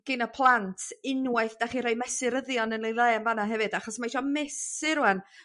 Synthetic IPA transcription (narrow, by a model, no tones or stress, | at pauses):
ɡ̥ɪnəpʰlˠantʰɪnwaɨθd̥aχiɾajmɛsɪɾəðjɔnənlejlˠeːnvanaɦɛvɨd̥aχɔsmaiʃɔmɛsɪɾuɛn